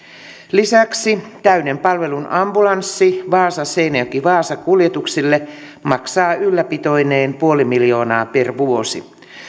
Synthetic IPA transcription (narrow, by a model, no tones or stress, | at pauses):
lisæksit̪æynempɑlʋe̞lunɑmbulɑnsːiʋɑːsɑseinejokiʋɑːsɑkuljet̪uksilːe | mɑksɑːylːæpit̪o̞ineːmpuo̞limiljo̞ːnɑːperʋuosḭ